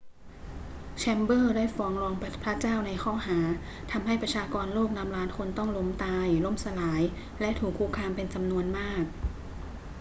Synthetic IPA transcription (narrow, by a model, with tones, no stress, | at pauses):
t͡ɕʰɛ˧mbɤː˥˩daː˥˩jfɔː˨˦˥ŋlɔː˧ŋpʰɾa˦˥t͡ɕaː˥˩wna˧jkʰɔː˥˩ɦaː˩˦ | t̪ʰa˧mha˥˩jpɾa˧t͡ɕʰaː˧kɔː˧nloː˥˩k̚na˧˥mɾaː˦˥nkʰo˧nt̪ɔ˥˩ŋlo˧˥mt̪aː˧jlo˦˥˩msa˧laː˩˦j | lɛ˦˥ʔt̪ʰuː˨˩kʰːuː˧˥˩kʰaː˧mpe˧nt͡ɕa˧mnu˧ənmaː˥˩k̚